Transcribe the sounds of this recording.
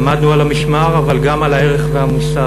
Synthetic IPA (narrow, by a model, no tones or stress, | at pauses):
mad̪nualamiʃmaʁavalɡamalaeʁeχveamusa